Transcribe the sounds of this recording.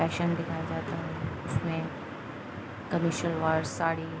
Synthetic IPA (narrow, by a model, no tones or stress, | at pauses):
ɛːkʃənd̪ɪkʰaːjad͡ʒaːt̪aɦɛʊsmẽ | kɐmɪʃəlʋaːɾsaːɽi